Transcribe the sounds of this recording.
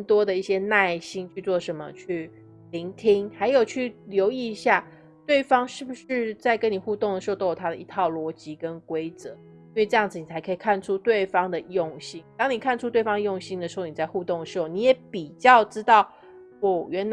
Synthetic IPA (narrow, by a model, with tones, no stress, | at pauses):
nt̪wɔ˥d̪ə˨i˥˩ɕjɛ˦˥na˥˩ɪɕi˥ŋt͡ɕʰy˥˧t͡swɔ˥˩ʂə˧˥nmə̰˧˨t͡ɕʰy˥˩ | li˧˦˥ŋt̪ʰi˥ŋxa˧˥ɪjo˨˩ʊt͡ɕʰy˥˩ljo˧˥ʊi˥˩˧ɕja˥˩ | t̪we˥˩ɪfɑ˥ŋʂɻ̩˥˩bu˩ʂɻ̩˥˧t͡sa˥ɪkə˧˦ni˨˩xu˥˧t̪o˥˩ŋd̪ə˩ʂɻ̩˧˥o˥˧˩o˥jo˨˩t̪ʰa˥də˨i˧˥t̪ʰɑ˥˩ʊlwɔ˧˥t͡ɕi˧˥kə˦nkwe˥ɪt͡sɤ˧˦ | ii˥nwe˥˩˧ʈ͡ʂɤ˧jɑ˥˩ŋd͡z̩˩ni˨t͡sʰa˧˥ɪkʰɤ˧˥i˨˩kʰa˥˩nʈ͡ʂʰu˦˥t̪we˥˩ɪfɑ˥ŋd̪ə˨joʊ˥˨˩ŋɕi˥ŋt̪ɑ˥ŋni˨˩kʰa˥˧nʈ͡ʂʰu˥t̪we˥˩ɪfɑ˥ŋd̪ə˧jo˥˧˩ŋɕi˥ŋd̪ə˨ʂɻ̩˧xo˥˩ʊni˨˩t͡sa˥˧ɪxu˥˧t̪o˥˩ŋd̪ə˩ʂɻ̩˧˥xo˥˩ʊni˧˥jɛ˨˧˥pi˨˩t͡ɕjɑ˥˩ʊʈ͡ʂɻ̩˥t̪ɑ˥˩ʊ | wɔ˨˩ɥɛ˧˥n